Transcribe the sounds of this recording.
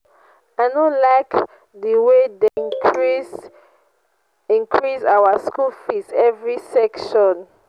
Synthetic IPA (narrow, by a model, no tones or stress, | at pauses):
ajnõlaɪk | dəwedẽ | ĩŋkʰɹisawaskulfisɛvɹisɛkʃɔ̃n